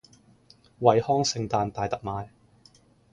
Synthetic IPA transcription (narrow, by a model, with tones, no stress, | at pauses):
wɐ˨jhɔː˥ŋsɪ˨˧ŋt̪aː˧nt̪aː˨jt̪ɐ˨k̚maː˨˧j